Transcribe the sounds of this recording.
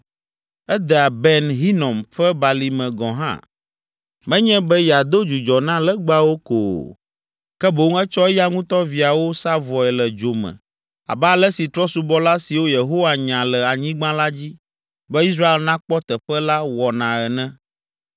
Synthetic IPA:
ɛ˦d̪ɛ˨a˨bɛ˦nɦi˦nɔ̃˨mɸɛ˦ba˨li˨mɛ̃˨ɡɔ̃˨ɦã̰˦ | mɛ̃˦ɲɛ̃˦bɛ˦jɛ˨a˨d̪o˦d͡ʒu˨d͡ʒɔ˨nã˦lɛ˦ɡ͡ba˦wo˦ko̰ː˨ | kɛ˦bo˨˦ŋɛ˦t͡ʃɔ˦ɛ˦ja˦ŋũ˦t̪ɔ˦vi˨a˨wo˦sa˦vɔ˨ɛ˨lɛ˨d͡ʒo˨mɛ̰̃˨ | a̰˨bɛ˦a˨lɛ˦si˨t̪ɾɔ˦su˨bɔ˦la˦si˨wo˦je˨ɦo˦wa˨ɲã˨lɛ˨a˨ɲĩ˦ɡ͡bã˦la˦d͡ʑi˦ | bɛ˦i˦s̬ɾa˦e˨lnã˦k͡pɔ˦t̪ɛ˨ɸɛ˦la˦wɔ˨nã˨ɛ˨nɛ̃˦

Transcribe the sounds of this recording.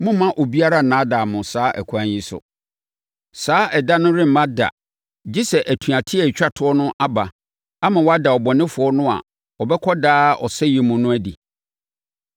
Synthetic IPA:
mʊ̃˦mã˦ʔo˨bi˦a˦ɾa˦nãː˨˦da˨mʊ̃˨saː˨˦ʔæ̰˨kʰu˨ã˨ɲ˦ji˦sʊ̰˨ | saː˦ʔɛ˨dã˦nʊ̃˦ɾɪ̃˦m̩˨mã˦da̰˨ | d͡ʑi˦sɛ˨ʔæ˨tʰu˨a˨tʰɪ˦ɛ˨t͡ɕᶣa˦tʰʊ˨˦ɔ˦nʊ̃˦ʔa˦ba˨ | a˦mã˨wɔ˦a˦da˨ɔ˨bɔ˨nɪ̃˦fʊ˨ɔ˦nʊ̃˦a̰˨ | ɔ˨bɛ˦kʰɔ˦daː˦ɔ̰˨sɛ˦ji˨mũ˨nʊ̃˦æ˦di˨

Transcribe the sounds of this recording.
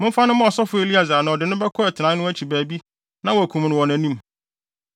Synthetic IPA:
mʊ̃˦m̩˦fa˦nʊ̃˦mʊ̃˦ɔ˨sɔ˦fʊ˦e˨li˦a˨zaː˨nã˨ɔ˨dɪ˨nʊ̃˦bɛ˦kʰɔ˦ɛ˨tʰɪ˨nã˦ʊ̃˦æ˦t͡ɕʰi˨bæː˨bi˦ | nã˦wɔ˨æ˨kʰũ˨m˨nʊ̃˨wɔ̃˨næ̃˨nĩ˦m

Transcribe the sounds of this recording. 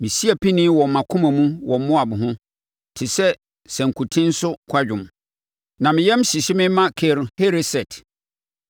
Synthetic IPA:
mɪ̃˨si˦æ˨pʰi˦nĩ˦wɔ˨m˨mã˨kʰʊ̃˦mã˨mũ˦wɔ˨m˦mʊ̃˦a˨bʊ˨ɦʊ̃˦ | tʰɪ˨sɛ˦ | sɛ̃˨ŋ˨kʰu˨tʰɪ̃˦n̩˦sʊ˦kʰa˦d͡ʑᶣʊ̃˨m | nã˨mɪ̃˨jɛ˦m˦ɕi˨ɕɪ˦mɪ̃˦mã˦kʰe˨ɾhe˦ɾe˦sɛ˨tʰ

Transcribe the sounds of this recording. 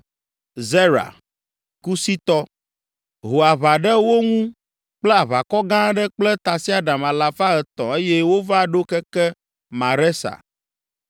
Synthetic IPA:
zɛ˦ɾa̰˨ | ku˦si˦t̪ɔ˦ | ɦo˨a˨βa˨ɖɛ˦wo˦ŋũ˦ | k͡plɛ˦a˨βa˨kɔ˦ɡã˦ɖɛ˦k͡plɛ˦t̪a˨si˦a˨ɖã˨ma˨la˨fa˦ɦɛ˨t̪ɔ̰̃˨e˦jɛ˦wo˦va˦ɖo˦kɛ˦kɛ˦ | mã˨ɾɛ˦sa̰˨

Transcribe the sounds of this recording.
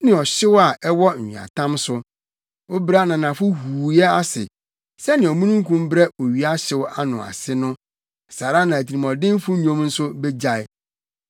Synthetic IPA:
nɪ̃˨ɔ˨ɕɪ˦wa˨ʔɛ˦wɔ˦ɲ̩̰ᶣ˨a̰˨tʰã˦msʊ˦ | o˦bɾa˦nã˨nã˨fʊ˦huː˨jɛ˦a˦sɪ̰˨ | sɛ˦nɪ̃˨ɔ˨mũ˦nũ˦ŋ̩˦kʰũ˦m˦bɾɛ˦o˨ɥi˦a˦ɕɪ˦wa˦nʊ̃˨a̰˨sɪ˦nʊ̃˦˨ | sa˨ɾa˦nã˨æ˨tʰi˨ɾi˨mɔ̃˨dɪ̃˦n˦fʊ˦ɲᶣõ˦mn̩˦sʊ˦bɛ˦d͡ʑa˨ɪ˦

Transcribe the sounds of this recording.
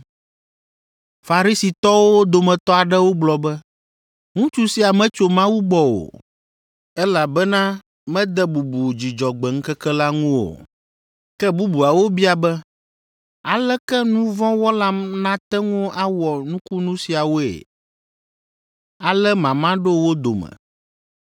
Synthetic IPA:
fa˨ɾi˦si˨t̪ɔ˦wo˦d̪o˨mɛ̃˨t̪ɔ˦a˨ɖɛ˦wo˦ɡ͡blɔ˨bɛ˦ | ŋũ˦t͡ʃu˦si˨˦a˨mɛ̃˦t͡ʃo˨mã˦wu˦ɡ͡bɔ˦wo̰˨ | ɛ˦la˨bɛ˦nã˦ | mɛ̃˦d̪ɛ˦bu˨bu˨d͡ʑi˨d͡ʒɔ˨ɡ͡bɛ˨ŋ̩˦kɛ˦kɛ˦la˦ŋũ˦wo̰˨ | kɛ˦bu˦bu˨a˨wo˦bi˦a˨bɛ˦ | a˨lɛ˦kɛ˦nũ˦vɔ̃˦wɔ˦la˦nã˦t̪ɛ˦ŋũ˦ʔa˦wɔ˨nũ˦ku˦nũ˦si˨a˨wo˦ḛ˨ | a˨lɛ˦mã˨mã˦ɖo˦wo˦d̪o̰˨mɛ̰̃˨

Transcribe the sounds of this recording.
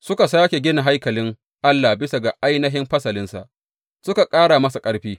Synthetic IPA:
sʊ˦ka˨saː˦kʲe˨ɡʲɪ˦na˨ɦa˦jkɐ˨lɪ˦ŋ | ʔa˦lːaː˨bɪ˦sa˨ɡa˨ʔa˦jnɐ˦ɦɪ˦mɸɐ˦sɐ˨lɪ˦nsa̰˨ʔ | sʊ˦ka˨kʼaː˦ɽa˨mɐ˦sa˨kʼɐ˦ɽɸiː˦

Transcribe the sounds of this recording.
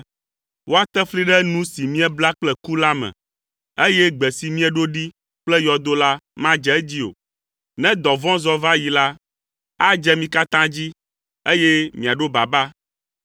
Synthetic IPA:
wo˦a˦t̪ɛ˦fli˦ɖɛ˦nũ˦si˨mĩ˦ɛ˦bla˦k͡plɛ˦ku˦la˦mɛ̰̃˨ | e˦jɛ˦ɡ͡bɛ˨si˨mĩ˦ɛ˨ɖo˦ɖi˦ | k͡plɛ˦jɔ˨d̪o˦la˦mã˦d͡ʒɛ˨˦d͡ʑi˦o̰˨ | nɛ̃˦d̪ɔ˨vɔ̃˦zɔ˦va˦ji˨la˦ | a˦d͡ʒɛ˦mĩ˦ka˦t̪ã˦d͡ʑi˦ | e˦jɛ˦mĩ˨a˨ɖo˦ba˨ba˦

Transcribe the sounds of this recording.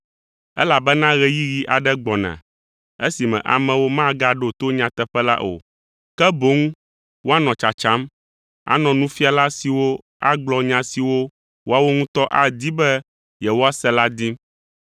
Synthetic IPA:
ɛ̰˦la˨bɛ˦nã˦ɣɛ˨ji˦ɣi˦ʔa˨ɖɛ˦ɡ͡bɔ˨nã̰˨ | e˦si˨mɛ̃˨ʔa̰˨mɛ̃˨wo˦mã˦ɡa˦ɖo˨t̪o˦ɲã˨t̪ɛ˦ɸɛ˦la̰˦ʔo̰˨ | kɛ˦bo˨˦ŋũ˦ | wo˦a˦nɔ̃˨t͡ʃa˨t͡ʃa˦m | a̰˨nɔ̃˨nũ˦fi˦a˨la˦si˨wo˦ | a̰˦ɡ͡blɔ˦ɲã˦si˨wo˦ | wo˦a˦wo˦ŋũ˦t̪ɔ˦ʔa˨d̪i˦bɛ˦ | jɛ˨wo˦a˦sɛ˦la˦d̪i˦

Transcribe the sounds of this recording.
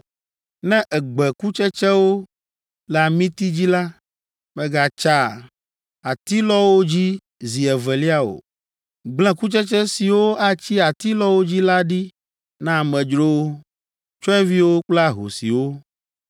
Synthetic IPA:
nɛ̃˦ʔɛ˨ɡ͡bɛ˨ku˦t͡ʃɛ˦t͡ʃɛ˦wo˦ | lɛ˨a˨mĩ˦t̪i˦d͡ʑi˦la˦ | bɛ˦ɡa˦t͡ʃa˦˨ | a˨t̪i˦lɔ˦wo˦d͡ʑi˦ | zi˨ɛ˨vɛ˨li˦a˦o̰˨ | ɡ͡blɛ̃˦ku˦t͡ʃɛ˦t͡ʃɛ˦si˨wo˦a˨t͡ɕi˦a˨t̪i˦lɔ˦wo˦d͡ʑi˦la˦ɖi˦ | nã˦a˨mɛ̃˨d͡ʒɾo˦ | t͡ʃɔ˦ɛ˦vi˦wo˦k͡pla˦ɦo̰˨sḭ˨wo˦

